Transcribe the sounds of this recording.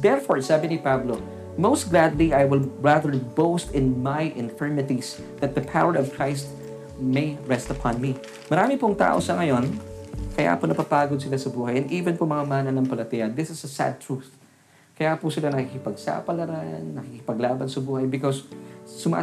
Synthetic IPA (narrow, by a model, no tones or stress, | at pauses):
d̪ɛɹfoɹsaːbɪnɪpablo | mowst̪̚ɡlad̪liʔajwɪlɹaðəɹbowst̪ɪ̃nmajʔɪ̃nfɛɹmɪt̪is | ðɐt̪̚ðɐpʰawəɹɔvkʰɹajst̪̚ | mejɹɛst̪ɐpʰɑ̃nmi | mɐɾaːmɪpʊŋt̪a̰ːʔo̰sɐŋɐjo̞nkɐja̰ːponɐpapaːɡod̪sɪlasɐbuːɦɐjʔɛniːvɛ̃npomɐŋamaːnɐnɐŋpɐlɐt̪ɛjɐd̪ɪsɪsɐsa̰d̪̚t̪ɹuθ | kɐjapʊsɪlanɐkikɪpɐɡ̚sa̰ːpɐlɐɾanːɐkikɪpɐɡlaːbɐnsɐbuːhɐjbɪkɔsːʊmɐʔ